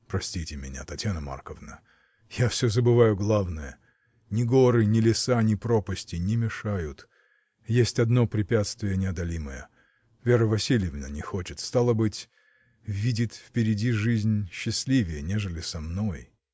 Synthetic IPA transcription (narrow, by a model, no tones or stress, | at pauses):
pɾɐsʲtʲitʲɪmʲɪ̰nʲa̰t̪ɐtʲjanəma̰rkəvnə | jafsʲozəbɨvajʊɡlˠavnəjə | nʲɪɡo̞ɾɨnʲɪlʲɪsanʲɪpɾo̞pəsʲtʲɪnʲɪmʲɪʂajʊt̪ | jesʲtʲɐd̪no̞pɾʲɪpʲat̪st̪vʲɪjənʲɪɐd̪ɐlʲiməjə | vʲeɾəvɐsʲilʲɪjɪvnə̰nʲɪxo̞t͡ʃɪt̪st̪alˠəbɨtʲ | vʲidʲɪtʲfpʲɪɾʲɪdʲiʐɨzʲnʲɕːɪsʲlʲivʲɪjənʲeʐɨlʲɪsɐmno̞j